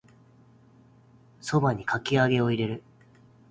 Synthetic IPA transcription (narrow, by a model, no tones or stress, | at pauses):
so̞baɲ̟ikʰakʲiaɡe̞o̞iɾe̞ɾɯ̟